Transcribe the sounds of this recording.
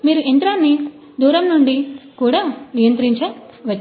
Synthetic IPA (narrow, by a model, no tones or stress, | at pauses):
miːɾuʔent̪ɾaːnːi | d̪uːɾɐmnuɳɖikuːɽaːnijɐnt̪ɾiɲt͡ʃɐʋɐ